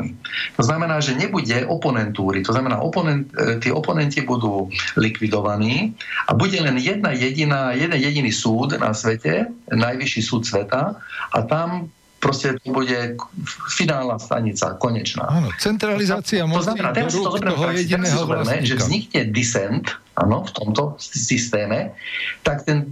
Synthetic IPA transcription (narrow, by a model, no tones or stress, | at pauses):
mḭt̪ɔznamɛnaːʒɛɲɛbuɟɛʔɔpɔnɛnt̪uːɾit̪ɔznamɛna̰ːʔɔpɔnɛnt̪t̪ɪɛʔɔpɔnɛncibud̪uːlikʋid̪ɔʋaniːʔa̰buɟɛlɛnjɛd̪̚najɛɟinaːjɛd̪ɛnjɛɟiniːsuːd̪na̰sʋɛcɛnajʋiʃisuːt̪sʋɛt̪aʔa̰t̪am | pɾɔscɛt̪ɔbuɟɛ | finaːlnast̪a̰ɲit͡sa̰kɔɲɛt͡ʃna̰ːnt͡sɛnt̪ɾalizat͡siaɔznamɛnaːt̪ɛɾasit̪ɔzɔmɛnaaɛɾzɔvɛɾmɛʒɛɲikɲɛd̪isɛnt̪ʔa̰nɔft̪ɔmt̪ɔsist̪ɛːmɛt̪akt̪ɛn